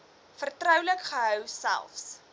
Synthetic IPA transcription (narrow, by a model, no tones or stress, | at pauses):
fərtrœwləkχəɦœwsæ̰lˠfs